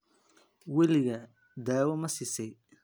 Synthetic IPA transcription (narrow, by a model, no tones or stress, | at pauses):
wɛlɪɣɐ | d̪aːwɐmɐsɪsɛj